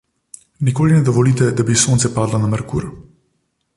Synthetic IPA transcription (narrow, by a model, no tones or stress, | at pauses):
nikoːlinɛd̪ɔʋɔlit̪ɛd̪abisont̪sɛpaːd̪lanamɛɾkṵːɾ